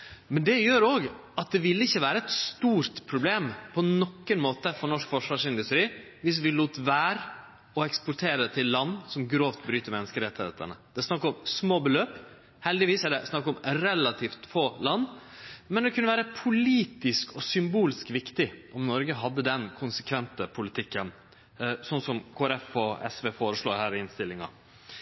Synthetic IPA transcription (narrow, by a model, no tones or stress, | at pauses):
mɛnd̪ɛjøːɾoːɡɑt̪̚d̪ɛʋɪlːəɪçːəʋæːɾəɛt̪st̪uːɾt̪pʰɾʊbleːmpʰɔnɔkːənmoːt̪əfɔnɔʂkfɔʂʋɑːʂɪnd̪ʉst̪ɾiː | ʋɪs̬ʋɪluːt̪ʋæːɾ | ɔɛkspʊɾʈ̪ʰeːɾət̪ʰɪlːɑnːsɔmɡɾoːft̪bɾyːt̪əmɛnːəskəɾɛt̪ːhḛːt̪ə̰nə̰d̪̥ɛsnɑkːəɔmsmoːbəløːp | hɛld̪ɪʋiːsæɖɛsnɑkːɔmɾɛlɑt̪ʰiːft̪foːlɑnːmɛnd̪ɛkʰʉnːəʋæːɾəpʰʊliːt̪ɪskɔsʏmbuːlɪskʋɪkt̪ɪʔɔmnɔɾɡəɦɑd̪ːəd̪ɛnkʰʊnsə̥kʰʋɛnt̪əpʰʊlɪt̪ʰɪkːən | sɔnsɔmkʰoːæɾɛfɔɛ̰sʋeːfoːɾəʂɭoːɾhæːɾɪnst̪ɪlːɪŋɑ̰